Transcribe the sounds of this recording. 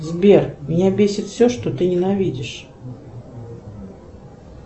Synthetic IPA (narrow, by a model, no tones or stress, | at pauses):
zbʲermʲɪnʲabʲesʲɪt̪fsʲoʂt̪ot̪ɨnʲɪnɐvʲidʲɪʂ